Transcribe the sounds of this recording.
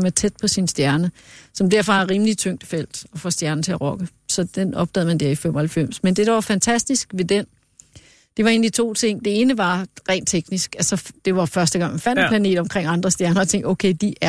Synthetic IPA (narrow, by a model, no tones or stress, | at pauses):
mæt͡sʰed̥pʰɒ̽sinsd̥jæɐnəsɒ̽md̥æɐ̰fɒhɑʁiːmlit͡sʰøŋ̰d̥fel̰d̥ɒ̽fɒsd̥jæɐn̩t͡sʰe̝æʁɒ̽ɡ̥ə | sɒ̽d̥enɒ̽b̥̚d̥ɛ̰ð̰ˠmænd̥ɛɐ̰ifem̰ɐhælfem̰smend̥e̝d̥ɑ̈ʋɑ̈fænt͡sʰæsd̥isɡ̥ʋe̝d̥en | d̥e̝ʋɑ̈e̝ːnd̥it͡sʰo̝̰ːt͡sʰe̝ŋ̰d̥e̝e̝ːnəʋɑ̈ʁɛ̰ɪ̰ːnt͡sʰeɡ̥nisɡ̥ælsɒ̽d̥e̝ʋɑ̈fɶɐsd̥əɡ̥ɑ̈ŋmænfænd̥emplæne̝̰ːd̥ɒ̽mkʰʁeŋ̰ɑ̈nd̥ʁɐsd̥jæɐnɐɒt͡sʰeŋ̰d̥oʊkʰeɪd̥iʔæɐ